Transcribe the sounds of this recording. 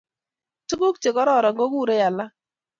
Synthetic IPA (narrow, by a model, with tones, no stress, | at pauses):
tu˦ku˦k̚t͡ʃe˨kɔ˦ɾɔ˦˨ɾɔ˨ŋɡo˦ku˦ɾe˦ja˨la˦